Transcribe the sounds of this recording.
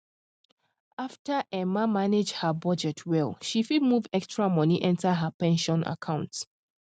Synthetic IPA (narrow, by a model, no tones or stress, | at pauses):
aftəʔɛmamaned͡ʒhəbʌd͡ʒɛtʰwɛlˠʃifidmuvɛkstɹamɔniʔɛ̃ntəɦəpɛ̃nʃɔ̃nʔa̰kʰãʊ̃nts